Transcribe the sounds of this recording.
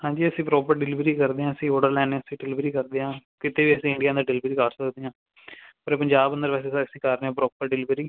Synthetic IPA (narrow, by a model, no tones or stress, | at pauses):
hãːɲd͡ʒiːəsĩːpɾɔːpəɾɖɪlɪʋɾiːkəɾd̪eːãːəsĩːoːɖəɾlɛːnẽːəsĩːɖlɪʋɾiːkəɾd̪eːãːkɪt̪eːʋiːəsĩːɪɳɖijãːd̪aːɖɪlɪʋɾiːkaːɾsəkd̪eːãː | pəɾpəɲd͡ʒaːbənd̪əɾʋɛːseːsasĩːkaɾneãːpɾɔːpəɾɖɪlɪʋɾiː